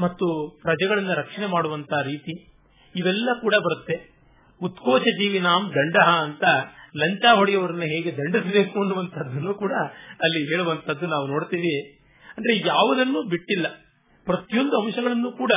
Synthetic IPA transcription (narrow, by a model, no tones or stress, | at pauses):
mɐt̪ːupɾɐd͡ʒɐɡɐɭɐnːɐɾɐkʂɐɳemaːɽuʋɐnt̪ʰaːɾiːt̪iː | ʋɛlːɐkuːɽɐbɐɾut̪ːe̞ | ut̪koːt͡ʃɐd͡ʒiːʋinaːmd̪ɐɳɖɐɦɐːnt̪ɐlɐɲt͡ʃaːɦoɽijɐʋɐɾɐnːɐɦeːɡe̞d̪ɐɳɖisbe̞ːkuɐnːuʋɐnt̪ʰɐd̪ːɐnːuːkuːɽɐːlːiɦeːɭuʋɐnt̪ʰɐd̪ːunaːʋuno̞ːɽt̪iːʋi | ɐndɾejaːʋɐd̪ɐnːuːbiʈːilːɐ | pɾɐt̪ijond̪uɐmʃɐɡɐɭɐnːuːkuːɽɐ